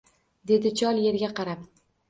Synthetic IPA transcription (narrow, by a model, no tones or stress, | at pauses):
d̪e̞d̪ɪt͡ʃʰɒlˠje̞ɾɡʲaqɑɾap